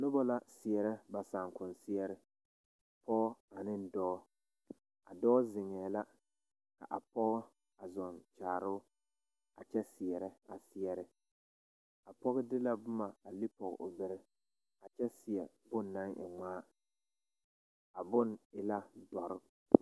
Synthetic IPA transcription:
nʊ˦bɔ˦la˦sɪ˨ɛ˨ɾɪ˦ba˨saː˨ŋkʊ˨n˨sɪ˦jɛ˦ɾɪ˦˨ | pʰɔ˦ɡɔ˦a˨nɪ˦n˦dɔː˦ | a˨dɔː˦zɪ˨ŋɛː˨la˦ | ka̰˨ʔa˨pɔ˦ɣɔ˦ | a˨zɔ˨nt͡ʃaː˨ɾʊ˦ | a˨t͡ʃɛ˦sɪ˨ɛ˨ɾɪ˦a̰˨sɪ˨jɛ˦ɾɪ˦ | a˨pɔ˦ɣɪ˦dɪ˦la˦bʊ˦ma˨a˨li˦pɔ˨ɣɛ̰˨ʔʊ˨bɪ˨ɾɪ˦ | a˨t͡ʃɛ˦sɪ˨jɛ˨ | bʊ˦nːa˦ŋʔɪ̰˨ŋaː˦ | a˨bʊ˦˨nɪ˨la˦dɔ˨ɾɪ˦

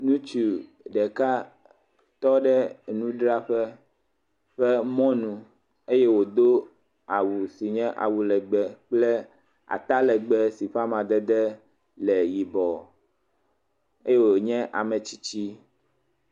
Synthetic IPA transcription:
nũ˦t͡ʃu˨ | ɖɛ˨ka˦ | t̪ɔ˦ɖɛ˦nũ˦ɖɾa˦ɸɛ˦ | ɸɛ˦mɔ̃˦nũ˨ | e˦je˦wo˨d̪o˦ | a˨wu˨si˨ɲɛ̃˦ʔa̰˨wu˨lɛ˨ɡ͡bɛ˨k͡plɛ˦ | a̰˨t̪a˦lɛ˨ɡ͡bɛ˦si˨ɸa˦mã˨d̪ɛ˦d̪ɛ˦ | lɛ˨ji˨bɔ˨ | e˦je˦wo˨ɲɛ̃˦ʔa˨mɛ̃˨t͡ɕi̥˦t͡ɕi˦

